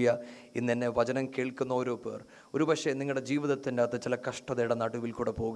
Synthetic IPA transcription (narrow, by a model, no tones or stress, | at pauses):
jɐinːenːe̞ʋɐt͡ɕɐnɐmkeːɭkːunːɐoːɾo̞ːpːeːr | o̞ɾubɐkʂeniŋːɐɭɽe̞d͡ʑiːʋiðɐt̪ːindaːt̪ːɐt͡ɕilɐkɐʂʈɐðejɽɐnɐɽuʋilkuːɽepo̞ːɣ